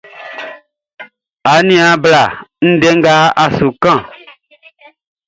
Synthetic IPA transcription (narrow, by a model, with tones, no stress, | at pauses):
a˨nĩ˦a˨bla˨n̩˦dɛ˦ŋ˦ɡa˦a˨su˨kã˦˨